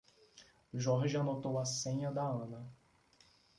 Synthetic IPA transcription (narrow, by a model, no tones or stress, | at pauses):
ʒɔɾʒianot̪owɐsẽɲɐd̪ɐɐ̃nɐ